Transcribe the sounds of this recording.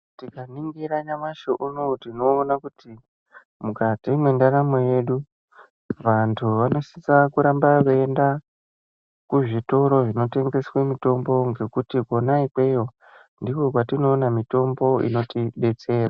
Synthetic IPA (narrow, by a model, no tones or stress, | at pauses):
tikaniŋɡiɾaɲamaʃoʔunotino̞ːnakuti | mukatimwe̞ndaɾamoje̞ɗu | ʋantʰuʋano̞sisakuɾambakeenda | kuʐito̞ɾo̞ʐino̞te̞ŋɡe̞swe̞mito̞mbo̞ŋɡe̞kutiko̞naikwe̞jo̞ | ndiko̞kwatino̞ːnamito̞mbo̞ḭno̞tiɓe̞t͡se̞ːra